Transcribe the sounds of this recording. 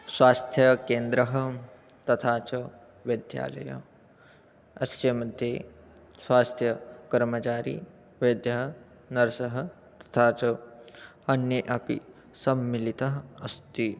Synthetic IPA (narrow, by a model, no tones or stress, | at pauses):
swaːst̪ʰjɐkeːnd̪ɾɐɦɐ̆ | t̪ɐt̪ʰaːt͡ʃɐ | ʋɐd̪ʱja̰ːlɐ̰jɐ̰ | ɐst̪jɐmɐd̪ʱje | swaːst̪ʰjɐkɐɾmɐt͡ʃaːɾḭː | ʋɐd̪ʱjɐɦɐ | nɐɾɐsɐɦɐ̆ | t̪ɐ̥t̪ʰaːt͡ʃɐ | ɐnjɐʔɐpḭ | sɐmːilit̪ɐɦɐɐst̪i